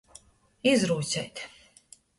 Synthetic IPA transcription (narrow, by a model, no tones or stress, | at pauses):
izɾuːt̪sʲɛjt̪